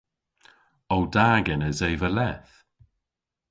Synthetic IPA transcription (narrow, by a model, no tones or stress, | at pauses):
ɔwdaːɡɛnəzejvəlɛθ